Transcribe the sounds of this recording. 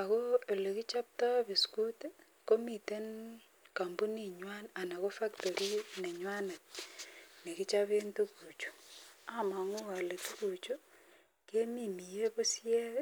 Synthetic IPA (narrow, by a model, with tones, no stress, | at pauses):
a˨koe˨le˨ki˦t͡ʃa˦p̚ta˦βi˨sku˦te | ko˦mi˨te˦n | ka˨mbu˦niɲwa˦na˨na˨ko˦fa˦kto˨ɾi˦ne˨ɲwa˦na˨t̚ | ne˨ki˦t͡ʃaβe˦ntu˦ku˨t͡ʃo̥a˦ma˨ŋo˦a˨le˨tu˦ku˨t͡ʃo˦ | ke˦mimi˨je˦βo˦sje˦ɾe